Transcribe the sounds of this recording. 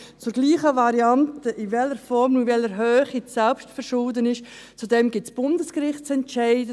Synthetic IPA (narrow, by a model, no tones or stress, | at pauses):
t͡sʊɾɡ̥liːχəvɑɾiantəʔɪvɛləɾfɔɾmnuvɛləɾɦøːχisɛlpʃtfɛɾʃʊːdənɪʃ | t͡sudɛmɡɪtsb̥ʊndəskɾɪχtt͡sɛntt͡ʃæɪdə